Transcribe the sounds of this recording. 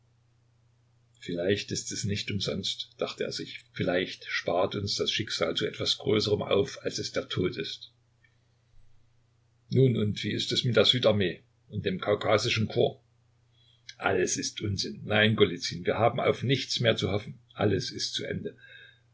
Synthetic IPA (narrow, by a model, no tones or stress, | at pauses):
fɪlaɪçtɪstɛsnɪçtʔʊmzɔnstd̥aχtəḛːɐzɪçfɪlaɪçtʃpaːɐtʰʊnsd̥asʃɪkz̥a̰ːlt͡suʔɛtv̥asɡ̥ʁøːsəʁəmʔa̰ʊfalsɛsd̥eːɐtʰoːtɪst | nuːnʊntv̥iːɪstɛsmɪt̚d̥eːɐzyːtaɐmeː | ʔʊnt̚d̥eːmkʰaʊkʰaːzɪʃn̩kʰoːɐ | ʔa̰ləsɪstʔʊnzɪnːaɪnɡolit͡sḭːnviːɐɦaːbm̩a̰ʊfnɪçt͡smeːɐt͡suhɔfn̩ʔa̰ləsɪstt͡suʔɛ̰ndə